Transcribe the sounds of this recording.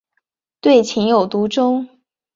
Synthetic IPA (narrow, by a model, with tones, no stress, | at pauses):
t̪we˥˩ɪt͡ɕʰi˧˥ŋjo˨˩ʊt̪u˧˥ʈ͡ʂʊ˥ŋ